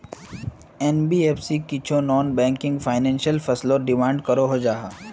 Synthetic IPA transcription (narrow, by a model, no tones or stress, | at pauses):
ɛnbiːeːpʰsikɪt͡ʃʰonɔːnbɛ̃ːŋkɪ̃ŋɡfʰaːɪnɛ̃ːnʃjəlfʰɐsloɖɪmãːɳɖkɐɾoɦod͡ʒaːɦaː